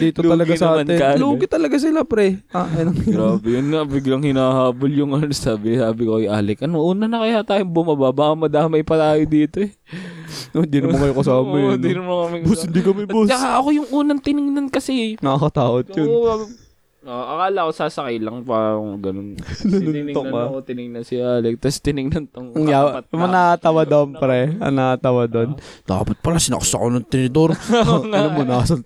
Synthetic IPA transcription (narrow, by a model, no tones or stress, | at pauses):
d̪iːt̪oɐlɐɡɡanɐaːmɐnɪkaluːɡɪt̪ːɐlɐɡas̬ɪlapɾɛaɐnoɡɾaːbɛjʊnːɐbɪɡlɐŋhɪnaːhaːboljʊŋɐnnsaːbɪsaːbɪkoʔɐjʔaːlɛkʔɐnoʔuːnɐnɐkɐjaːt̪aːjoŋbʊmɐbabaʔɐmɐd̪aːmɐjpɐt̪aːjod̪iːt̪o̞ɛ | ohɪnd̪iːnɐmmɐŋkɐjokɐsaːmɐjɪnd̪inɐmɐŋkɐmɛbshɪnd̪ikɐmɛbost͡ʃːɐkaʔɐko̞jʊŋʔuːnɐnt̪ɪnɪŋnɐnkɐsɛnɐakɐt̪aːwɐt̪jʊn | ʔoʔɐkaːlɐkosasɐkilɐŋpaːɾɐŋɡɐnonnɐnʊnt̪okɐt̪ɪnɪŋnɐnsɪaːlɛk̚t̪ɐst̪ɪnɪŋnɐnt̪oŋjaɐmɐnaɐt̪awad̪onpɾɛɐ̰naat̪ɐwɐd̪ond̪̥a̰ːpɐt̪̚pɐlasɪnɐ̰ksɐ̰ʔonɐŋt̪ɪnɪd̪oɾɐlɐmonasɐn